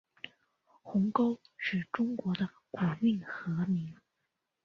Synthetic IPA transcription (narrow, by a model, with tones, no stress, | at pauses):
xʊ˧˥ŋko˥ʊʂɻ̩˥˩ʈ͡ʂʊ˥ŋkwɔ˧˥d̪ə˧ | ku˨˩mi˥˩ŋxɤ˧˥mi˧˥ŋ